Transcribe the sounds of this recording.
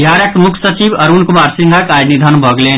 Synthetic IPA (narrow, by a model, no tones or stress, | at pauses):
jaːɾət̪mʊkʰsət͡ʃibɐɾunkumaːɾsĩŋɡʱakaːɾnid̪ʱənbʱəɡlen